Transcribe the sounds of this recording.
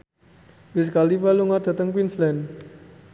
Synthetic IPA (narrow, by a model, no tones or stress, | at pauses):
wɪs̬kalipaluŋad̥a̤t̪əŋkwinslɛn